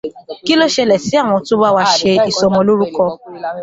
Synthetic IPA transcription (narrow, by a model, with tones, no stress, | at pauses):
ki˦lo˦ʃɛ˧lɛ˨si˨˦a˦˨w̃ɔ̃˧to˦ba˦wa˧˦ʃe˧i˨sɔ˨˧mɔ̃˧lo˦ɾu˦kɔ˧